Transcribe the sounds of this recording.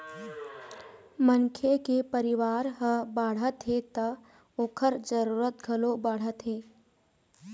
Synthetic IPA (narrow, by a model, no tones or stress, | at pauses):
mənkʰekepəɾɪʋaːɾɦəbaːɽ̤ət̪ɦet̪ɐ | oːkʰəɾd͡ʒəɾuːɾət̪̚ɡʱɐlobaːɽ̤ət̪ɦeː